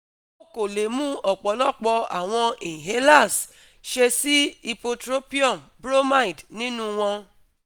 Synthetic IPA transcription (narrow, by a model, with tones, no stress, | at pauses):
o˦ko˨le˨mũ˦ɔ˨k͡pɔ˨˦lɔ˦˨k͡pɔ˧a̰˨w̃ɔ̃˧e˨ĩ˨ɦe˦la˦˨s | ʃe˧si˦i˧po˧tɾo˦pi˦ɔ˦˨m | bɾo˦ma˦i˨dnĩ˦nũ˧w̃ɔ̃˧